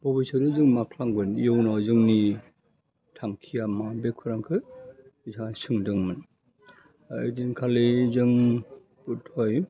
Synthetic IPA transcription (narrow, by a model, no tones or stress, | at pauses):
bɔbisɯɾɯzɯŋmakʰlaŋɡɯnijɔwnawzɯŋni | tʰaŋkʰijamabekʰɯɾaŋkʰɯ | itʰasɯŋdɯŋmɯn | adinkʰalezɯŋ | butʰɔj